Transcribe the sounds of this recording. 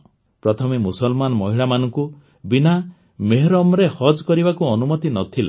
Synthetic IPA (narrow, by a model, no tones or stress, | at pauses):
pɾɔt̪ʰɔmemusɔlmanɔmɔɦiɭamanɔŋku | bina | meɦɾɔmɾehɔd͡ʒkɔɾibakuɔnumɔt̪inɔt̪ʰila